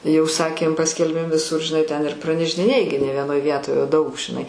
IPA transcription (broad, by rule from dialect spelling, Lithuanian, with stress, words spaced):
jɛʊ ˈsɑːkʲeːm ˈpɑːsʲkʲɛlʲbʲeːm ʋʲɪˈsʊr ʒʲɪˈnɐɪ tʲɛn ɪr prɐnʲɛʒʲdʲɪˈnʲeːjɪ ɡʲɪ nʲɛ ʋʲiɛˈnoːj ˈʋʲiɛtoːj oː dɐʊk ʒʲɪˈnɐɪ